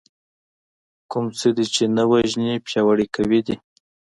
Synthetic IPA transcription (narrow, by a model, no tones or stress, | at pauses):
kʊmt͡səd̪it͡ʃenawaʒnipjɑwaɽikawid̪i